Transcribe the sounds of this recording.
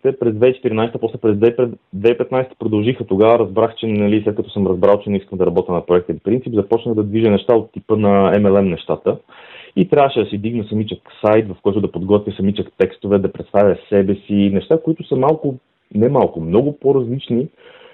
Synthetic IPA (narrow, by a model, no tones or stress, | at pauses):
t̪ɛpɾɛzd̪vɛit͡ʃɛ̥t̪iɾinajst̪əpɔslɛpɾɛzd̪vɛɛd̪vɛipɛt̪najst̪ə̥pɾod̪ɐlˠʒixət̪oɡavəɾɐzbɾaxt͡ʃɛnɐlislɛt̪kɐt̪ɔsəmɾɐzbɾalˠt͡ʃɛnɛiskəmd̪ɐɾɐbɔt̪ənɐpɾoɛkt̪əfpɾint̪sipzɐpɔt͡ʃnəɣd̪ɐd̪viʒənɛʃt̪aot̪ːipənɐɛmɛlˠɛmnɛʃt̪at̪ə | it̪ɾʲavəʃɛd̪ɐsid̪iɡnəsɐmit͡ʃəksajt̪vɐfkɔjt̪ʊd̪ɐpod̪ɡɔt̪vʲjəsɐmit͡ʃəkt̪ɛkst̪ovɛd̪ɐpɾɛt̪st̪avʲjəsɛbɛsinɛʃt̪akoit̪ʊsəmalˠkʊ | nɛmalˠkʊmnɔɡʊpoɾɐzlit͡ʃni